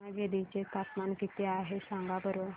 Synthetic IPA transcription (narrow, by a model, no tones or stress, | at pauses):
aɡed̪it͡ɕet̪at̪mankit̪eaɦesãŋɡabəɾo